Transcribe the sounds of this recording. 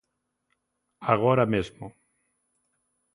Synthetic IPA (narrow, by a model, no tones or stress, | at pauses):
aɣ̞oɾamezmo